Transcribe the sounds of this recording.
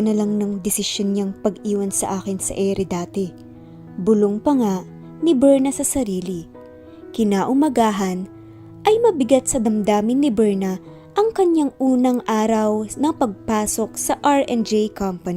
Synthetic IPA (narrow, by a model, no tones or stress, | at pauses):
nɐlɐŋnɐŋd̪ɛsɪʃjonɲaŋpɐɡʔiːwɐnsɐʔaːkɪnsɐ̰ʔɛɾɛd̪aːt̪ɛ | bʊloŋpɐŋa | nɪbɛɹnɐsɐsɐɾiːlɪ | kɪnaːʔʊmɐɡaːɦɐn | ʔɐjmɐbɪɡat̪̚sɐd̪ɐmd̪aːmɪnːɪbɛɹnɐ | ʔɐŋkɐɲːaŋʔuːnɐŋʔaːɾɐwnɐŋpɐɡ̚paːso̞k̚sɐʔɐɹʔɛnd͡ʒejkɐmpɐni